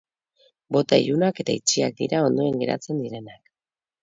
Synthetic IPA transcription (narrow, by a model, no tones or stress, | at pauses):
bo̞t̪aḭʎunake̞t̪ait͡ʃiak̚d̪ḭɾao̞nd̪oeŋɡe̞ɾa̰t͡se̞nd̪iɾe̞nak